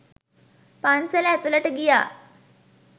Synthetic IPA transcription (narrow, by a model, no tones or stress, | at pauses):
pansəlat̪ulaʈəɡija